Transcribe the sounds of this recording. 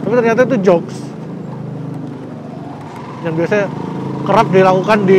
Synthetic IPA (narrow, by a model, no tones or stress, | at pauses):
t̪apit̪ərɲat̪ait̪̬ud͡ʒɔks | jaŋbiasakəɾap̚dilakukandi